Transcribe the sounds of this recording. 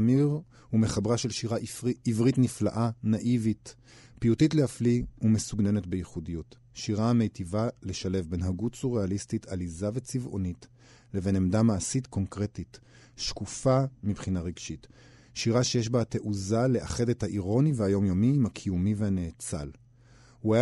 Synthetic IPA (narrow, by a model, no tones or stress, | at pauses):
miʁ | hume̞χabʁaʃelʃiʁaʔiiivʁitnifla̰ʔanaʔivit | pijutitle̞afliume̞suɡne̞netbejiχudijut | ʃiʁaame̞jtivale̞ʃale̞vbe̞nɦaɡut͡suʁealistitʰalizave̞t͡sivʔo̞̰nit | le̞ve̞nemdamaːsitko̞ŋkʁe̞tit | ʃkufamipχinaʁeɡʃit | ʃiʁaʃejeʃbate̞ʔuzale̞ʔaχe̞dethaʔiʁo̞niveajo̞mjomiːmakʰijumivehanet͡sa̰l | huaja